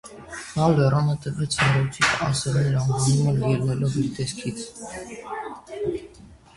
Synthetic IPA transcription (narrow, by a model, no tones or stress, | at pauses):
nɑlɛrɑnət̪əɾvɛt͡sʰnɛɾɔt͡sʰikʰɑsɛlnɛɾɑnvɑnuməlijɛlnɛlɔviɾt̪ɛskʰit͡sʰ